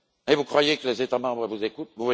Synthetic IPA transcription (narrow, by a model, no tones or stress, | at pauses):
evukχwajekəlezet̪amɑ̃bʁəvuzekut̪̚vuvwa